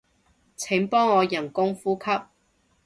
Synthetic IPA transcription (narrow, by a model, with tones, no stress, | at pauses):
t͡sʰɪ˨˥ŋpɔː˥ŋːɔː˨˧jɐ˨˩nkʊ˥ŋfuː˥kʰɐ˥p̚